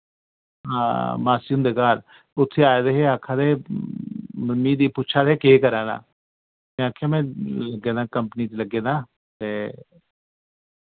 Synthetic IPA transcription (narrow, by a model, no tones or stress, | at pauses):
ɦãːmaːsimd̪eːkaːɾ | ʊt̪ʰːeːaːjed̪eɦeaːkʰaːd̪ee | mənmĩːd̪iːpʊt͡ʃʰaːd̪eːkeːkəɾaːna̰ː | mɛ̃ːaːkʰːejaːmɛ̃ːləɡːeːnãːkəmpniːt̪eləɡːeːnaː | t̪eː